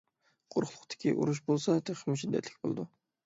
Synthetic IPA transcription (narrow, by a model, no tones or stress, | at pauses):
qʰoɾχʊlˠʊqt̪ʰɪ̥kʲiʔṵɾuʃ̬bolˠsɑt̪ʰeqʰmuʃʰid̪ːɛ̰t̪lɪkʲbolˠɨd̪u